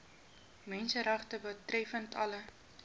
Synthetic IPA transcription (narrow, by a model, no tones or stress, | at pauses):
mɛnsəɾɐχtəbətrɛfəntʰɐ̰lə